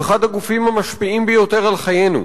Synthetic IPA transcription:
eχad̪haɡufimamaʃpiimbejo̞t̪e̞ʁalχaje̞nṵ

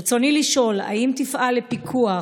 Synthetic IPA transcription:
t͡so̞niliʃo̞la̰imt̪ifʔalepikʰua

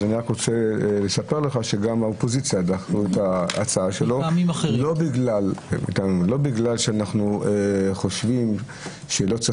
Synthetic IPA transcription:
aniakʁot͡sele̞sape̞ʁleχaʃe̞ɡamaopo̞zit͡sjad̪aχuetaːt͡saaʃelo̞amimalo̞biɡlal̰mḭtamilo̞biɡlalʃeanaχnueχo̞ʃvim | ʃelo̞t͡sa

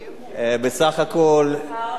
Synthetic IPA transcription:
ebesaχakol

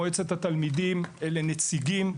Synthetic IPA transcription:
et͡set̪at̪almidimele̞net͡siɡim

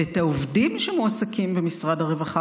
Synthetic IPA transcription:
ethaovdimʃemuasakʰimbemisʁadhaʁevaχa

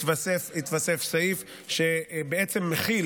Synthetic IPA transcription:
t̪vasefit̪vasefsaif | ʃebeet͡semːeχil

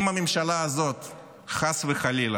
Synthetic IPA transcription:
mamemʃalaːzo̞t̪ | χasveχalil

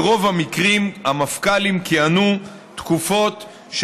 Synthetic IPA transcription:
ʁo̞vamikʁimhamafkalimkianu | t̪kufo̞t̪ | ʃ

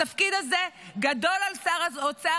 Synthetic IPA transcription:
afkid̪azeɡad̪o̞lalsaʁazot͡sa

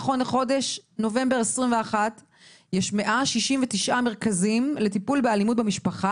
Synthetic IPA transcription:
χo̞neχo̞de̞ʃno̞ve̞mbeʁesʁimveaχat | jeʃme̞ʔaʃiʃimvet̪iʃʔame̞ʁ̞kazimle̞tipulbealimut̚bemiʃpaχa

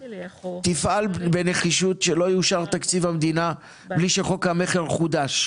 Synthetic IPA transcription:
t̪ifʔalbeneχiʃut̪ʃelo̞juʃaʁt̪akt͡sivhamd̪ina | bliʃeχo̞khame̞χeʁχud̪aʃ

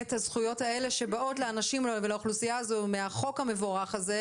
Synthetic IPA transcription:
ethazχujo̞tae̞le̞ʃe̞bao̞tleanaʃimvelaoχlusijaːzomeaχo̞khamevoʁaχaze

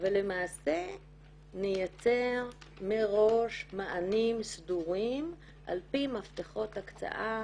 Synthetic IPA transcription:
vele̞maːse̞ | nejat͡se̞ʁ | meʁo̞ʃmaʔanimsduʁim | ʔa̰lpimaft̪eχo̞takt͡sa̰ʔa

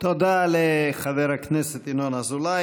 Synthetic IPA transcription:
t̪od̪aleχaveɾhaknɛset̪inonazula

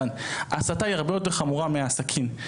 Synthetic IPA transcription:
naːsataiaʁbe̞jo̞t̪eχamuʁameaːsakʰim

